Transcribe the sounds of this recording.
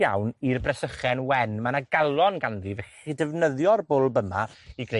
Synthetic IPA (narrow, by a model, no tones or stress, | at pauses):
a̰wnirbrɛsəχɛnwɛnmanaɡalˠɔnɡanðivɛχidɛvnəðjɔrbʊlˠbəma̰ | iɡre